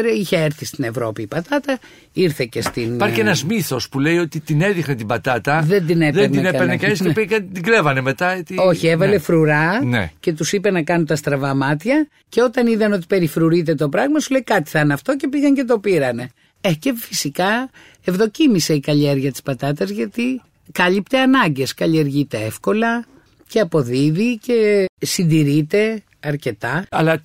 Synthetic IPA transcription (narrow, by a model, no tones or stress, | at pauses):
ɾiçeeɾθist̪ine̞vɾo̞̰piːpɐt̪ɐt̪ɐ | iɾθe̞cest̪inpaɾcienɐzmiθo̞spulejo̞t̪it̪ineðixnet̪ibɐt̪ɐt̪ɐðend̪ineðenneenekɐnisepiɣɐnd̪iɡlevɐneme̞t̪ɐet̪io̞çievɐle̞fɾuɾɐnḛce̞t̪usipe̞nɐkɐnut̪ɐst̪ɾɐvɐmɐt̪çɐ | ce̞o̞t̪ɐniðɐno̞t̪̬i̥pe̞ɾifɾuɾit̪̬e̞t̪o̞pɾɐɣmɐsule̞jkɐt̪i̥θɐnɐft̪o̞ce̞piɣɐɲce̞t̪̬o̞piɾɐne̞ | ece̞fisikɐ | evðo̞cimise̞ikɐʎieɾʝɐt̪i̥spɐt̪ɐt̪ɐzʝɐt̪i | kɐlipt̪eɐnɐɲɟe̞skɐʎieɾʝit̪eefko̞lɐ | ce̞ɐpo̞ðiðice̞sind̪iɾit̪e̞ | ɐɾce̞t̪ɐɐlɐ